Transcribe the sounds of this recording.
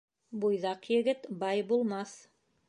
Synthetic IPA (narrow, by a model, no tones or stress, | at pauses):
bujðɑqjɘ̆ɡɘt̪bɑjbulˠmɑθ